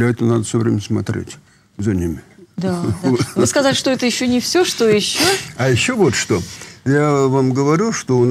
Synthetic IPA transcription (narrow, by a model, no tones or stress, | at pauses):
lʲɐɛt̪ənad̪əfsʲovɾʲemʲsmɐt̪ɾʲḛtʲ | zɐnʲimʲɪd̪avɨskɐzalʲɪʂt̪oɛt̪əjɪɕːonʲɪfsʲoʂt̪o̞jɪɕːoɐjɪɕːovo̞t̪ʂt̪ojavamɡəvɐɾʲuʂt̪oʊn